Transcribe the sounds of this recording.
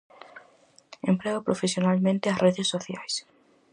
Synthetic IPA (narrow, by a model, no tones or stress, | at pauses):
ẽmpleopɾofesjonalmẽnt̪easreðesːoθjajs